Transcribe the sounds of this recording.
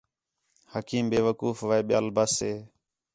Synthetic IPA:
həkiːmbeːʋəkuːfʋaːeːɓɪja̰ːlbaːseː

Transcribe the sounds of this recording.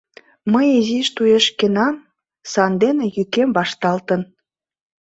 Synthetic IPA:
məjeziʃt̪ujeʃkenɑm | sɑnd̪enĕjykemβɑʃt̪ɑlt̪ən

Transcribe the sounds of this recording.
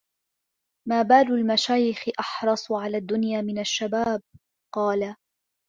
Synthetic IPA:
maːbaːlʊlmaʃaːjɪxɪʔɑħɾˤɑsˤʕalaːd̪ːʊnjaːmɪnaʃːabaːb̚ | qɑːla

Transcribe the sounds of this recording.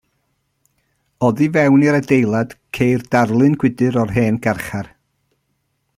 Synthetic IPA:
ɔðivɛwniɾədejlˠad̥kʰejrd̥arlˠɨnɡ̥wɪdɨɾɔrɦeːnɡ̥arχar

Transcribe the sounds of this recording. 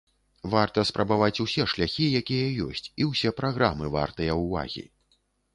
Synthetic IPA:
vart̪ɐspɾɐbavat͡sʲusʲɛʂlʲaxʲijakʲijɐjɔ̰sʲt͡sʲiwsʲɛpɾaɣɾamɨva̰rt̪ɨjɐwva̰ɣʲḭ

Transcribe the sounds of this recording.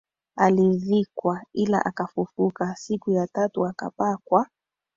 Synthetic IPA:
alivikwaila̰ʔakafufukasikujatatuaka̰pakwa

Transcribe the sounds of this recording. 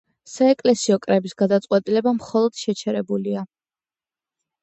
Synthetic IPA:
saɛkʼlɛsiɔkʼɾɛbisɡad̪at̪sʼqʼwɛt̪ʼilɛbamχɔlˠɔd̪̥ʃɛt͡ʃʰɛɾɛbulia

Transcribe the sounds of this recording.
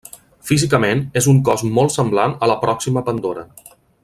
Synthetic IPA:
fizikəmenezuŋkɔzmɔlˠt̪səmblanələpɾɔksiməpənd̪oɾə̰

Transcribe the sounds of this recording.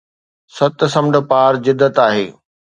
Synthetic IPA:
sɐt̪sɐ̃mɖə̆paːɾd͡ʑɪd̪ːət̪aːɦḛː

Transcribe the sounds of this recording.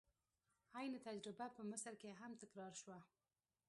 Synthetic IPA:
ajnɪt̪ad͡ʒɾɪbapəmɪsəlkeɦamt̪ɪkɾɑɾʃwa

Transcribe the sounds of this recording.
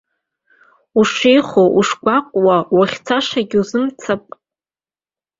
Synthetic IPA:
uʂejχoʔuʂɡʷaqʷʼwawaχʲt͡sʰaʂaɡʲuzɨmt͡sʰapʼ

